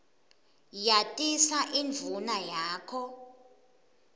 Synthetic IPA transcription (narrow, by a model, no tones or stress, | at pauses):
jatʼisaʔinvʱunajaːkʰɔ